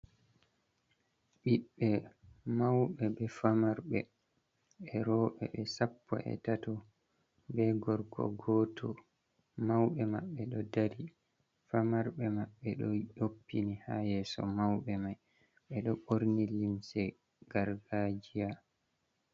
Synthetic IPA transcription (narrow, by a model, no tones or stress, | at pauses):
ɓiɓːɛmawɓɛɓɛfamaɾɓɛ | ɛɾɔːɓɛ̰ɓɛsapːɔ̰ʔɛ̰tatɔ | bɛɡɔɾɡɔ̰ɡɔtʰɔ | mawɓɛmaɓːɛɗɔdaɾi | famaɾɓɛmaɓːɛɗɔjopːinihajɛsɔ̰mawɓɛmaj | ɓɛɗɔɓoɾnilimsɛ | ɡ̥aɾɡad͡ʒija